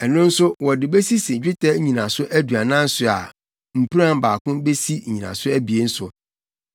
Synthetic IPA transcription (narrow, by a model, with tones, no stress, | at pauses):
ɛ˨nʊ̃˦n̩˦sʊ˦wɔ˨dɪ˨be˦si˦sɪ˨d͡ʑᶣɪ˦tʰɛ˦ɲĩ˨nã˨sʊ˦ʔæ˦du˨a˨nã˦n̩˦sʊ˨a̰˨ | m̩˨pʰi˦ɾã˦m˨baː˨kʰʊ̃˦be˦si˦ɲ̩˨ɲĩ˨nã̰˨sʊ˦æ˦bi˨e˦n̩˦sʊ˨